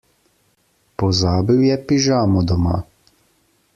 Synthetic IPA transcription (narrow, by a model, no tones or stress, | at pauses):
pɔzaːbiwjɛpiʒaːmɔd̪ɔma̰ː